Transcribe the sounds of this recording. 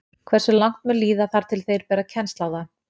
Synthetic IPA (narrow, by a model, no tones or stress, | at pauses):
kʰvɛr̥sʏlawŋ̥t̪̚mʏliːðaθaɾ̥t̪ʰɪlθejɾpɛːɾacʰɛnst̪laːwða